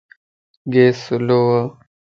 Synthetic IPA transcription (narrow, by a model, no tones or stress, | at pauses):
ɡeːsuloa